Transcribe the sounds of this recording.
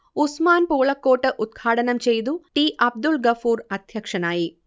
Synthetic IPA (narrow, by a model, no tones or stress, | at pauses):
usmaːnpuːɭɐkːoːʈːɨʔud̪̚ɡʰʱaːʈɐnɐmt͡ɕejd̪uʈiːʔɐb̚d̪ulɡɐfuːɾɐd̪ʱjɐkʂɐnaːji